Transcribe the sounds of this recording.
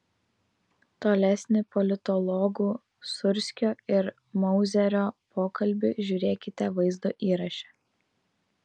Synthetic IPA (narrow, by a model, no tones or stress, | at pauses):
t̪oːlʲɛsʲnʲɪpɔlʲɪt̪ɔlˠɔɡuː | sʊɾʲsʲkʲoːɪɾ | mɔʊzʲɛɾʲoːpʰoːkɐlʲbʲɪʒʲuːɾʲeːkʲɪt̪ʲɛʋɐɪzd̪oːʔiːɾɐʃʲɛ̥